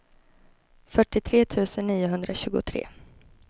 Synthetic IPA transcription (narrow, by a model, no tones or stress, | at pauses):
fœʈːɪt̪ʰɾeːt̪ʰʉ̟ːsənːiːʊɦɵnd̪ɾʔaɕʉ̟ːɡʊ̰t̪ʰɾḛː